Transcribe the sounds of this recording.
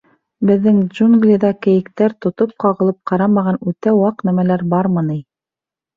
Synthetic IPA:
bɘ̆ðːɘŋʒuŋɡlʲɪd̪ɑkɘ̆jɘ̆kt̪æɾt̪ŏt̪op̚qɑʁɤ̆lˠɤp̚qɑɾɑmɑʁɑnʉt̪æwɑqnæmælæɾbɑɾmɤnij

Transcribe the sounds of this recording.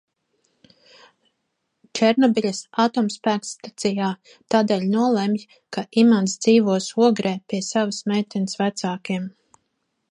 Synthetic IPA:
t͡ʃɛɾnɔbiʎʲasat̪ɔːmspæːkst̪at̪sijaː | t̪aːd̪ɛːʎʲnuɔlˠemj | kaʔimansd̪z̥iːvuɔsuɔɡɾɛːpiɛsavəsmɛjt̪ʲɛnəsvæt̪saːkiɛm

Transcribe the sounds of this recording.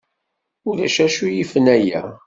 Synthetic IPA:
ʊɾæʃæʃujifənæjæ̰

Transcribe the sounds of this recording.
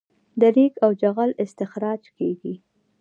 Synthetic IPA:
d̪əɾikawd͡ʒaɣalɪst̪ɪxɾɑd͡ʒkeɡi

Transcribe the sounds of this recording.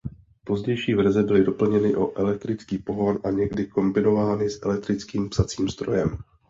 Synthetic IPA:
po̞zɟɛjʃiːvɛɾzɛbɪlɪdo̞pl̩ɲɛnɪʔo̞ʔɛlɛk̚t̪ɾɪt͡skiːpo̞ɦo̞nʔaɲɛɡdɪko̞mbɪno̞vaːnɪsʔɛlɛk̚t̪ɾɪt͡skiːmpsat͡siːmzd̪̥ɾo̞̰jɛm

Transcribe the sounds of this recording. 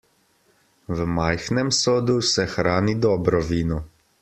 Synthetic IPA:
ʋəmajxnɛmsoːd̪usɛxɾaːnid̪ɔːbɾɔʋiːnɔ

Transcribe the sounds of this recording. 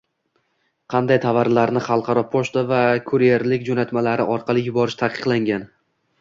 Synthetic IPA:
qʰɑnd̪ajt̪ʰavaɾlaɾnɪχɑlˠqʰɑɾɒpʰoʃt̪avakʰɵɾjeɾlɪkʲd͡ʒonat̪malaɾɪʔɒɾqʰɑlˠɪjʊbɒɾɪʃt̪ʰaqʰɨ̥qlˠaŋɡʲan

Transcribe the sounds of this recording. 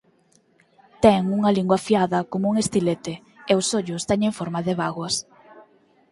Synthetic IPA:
t̪ɛŋuŋɐliŋɡwɐfiaðɐkomouŋest̪ilet̪e | eʊsoʎʊst̪ɛɲeɱfoɾmaðɪβaɣwɐs

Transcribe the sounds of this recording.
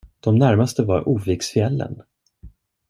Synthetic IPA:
d̪̥ɔmnæɾmast̪əvaɾuːviːksfɪɛlːə̰n

